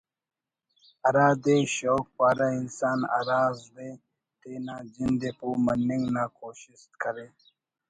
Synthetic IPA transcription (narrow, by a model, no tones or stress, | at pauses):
ɐɾaːd̪eɕoːk̚paːɾainsaːna̰ːɾaːzd̪e | t̪eːnaːd͡ʑind̪epumɐnːiŋɡnaːkoːɕist̪kəɾeː